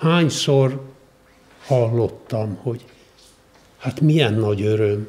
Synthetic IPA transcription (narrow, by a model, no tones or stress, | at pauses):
haːɲsor | hɒlːot̪ːɒmho̞ɟ | hat̪mijɛnːɒɟøɾøm